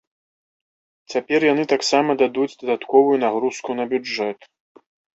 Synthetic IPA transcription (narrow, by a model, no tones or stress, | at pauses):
t͡sʲapʲɛrjanɨt̪aksamɐd̪ad̪ud͡zʲd̪ɐd̪at̪kɔvujunaɣɾuskunɐbʲuɛt̪